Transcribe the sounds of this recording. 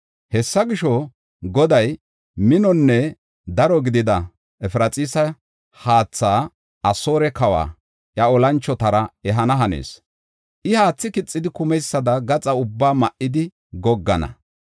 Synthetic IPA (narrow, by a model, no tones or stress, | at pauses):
hɛsːɐɡɪʃɔ | ɡɔd̪ɐj | mɪnɔnːɛ | d̪ɐɾɔɡɪd̪ɪd̪ɐ | ɛfɾɐt͡sʼiːsɐ | haːt͡sːaː | ɐsoːɾɛkɐwa̰ː | ʔjɐɔlɐnt͡ʃːɔt̪ɐɾɐɛɦɐnɐɦɐnḛːs | ʔɪhaːt͡sːɪkɪt͡sʼːɪd̪ɪkʊmɛjsːɐd̪ɐɡɐt͡sʼɐʊbːaːmɐʔɪd̪ɪ | ɡɔɡːɐnɐ̰